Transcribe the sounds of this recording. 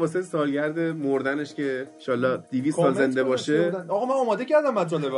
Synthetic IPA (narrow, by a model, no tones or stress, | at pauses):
bɒːs̬elesɒːlɟæɾd̪emoɾd̪æne̞ʃcʰe̞ʃɒːlːɒːd̪̥ivisttsɒːlze̞nd̪ebɒːʃeɒːɣɒmænɒːmɒːd̪e̞cʰæɾd̪æmːæt̪ʰɾond̪e